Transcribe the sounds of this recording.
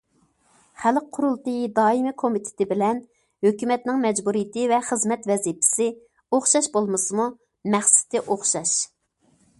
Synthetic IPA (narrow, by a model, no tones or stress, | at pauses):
χælq̚qʰːʊɾulˠt̪ɨjd̪ɑːimɪkʰomit̪ʰɪ̥t̪ʰɪbɪlɛn | høkʲymɛt̪nɪŋmɛd͡ʒbuɾijɪt̪ɪvɛχəzmɛt̪vɛzipʰɪ̥sɪ | oχʃɑʃbolˠmɨsɨmu | mɛχsɪ̥t̪ʰɪʔoχʃɑʃ